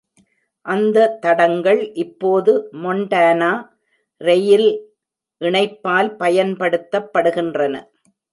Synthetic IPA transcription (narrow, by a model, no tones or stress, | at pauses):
ʔɐnd̪ɐt̪ːɐɽɐŋɡɐɭʔɪpːoːðɯmɔɳɖaːnaː | ɾɛjɪl | ʔɪɳɐɪpːaːlpɐjɐnpɐɽɯt̪ːɐpːɐɽɯɣɪndrɐnɐ̰